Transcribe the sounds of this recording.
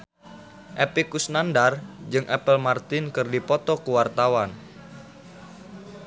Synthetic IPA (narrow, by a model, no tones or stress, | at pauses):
ʔepikusnandard͡ʒɨŋʔɛpəlmart̪ɪnkɨrdipɔt̪ɔkəwart̪awan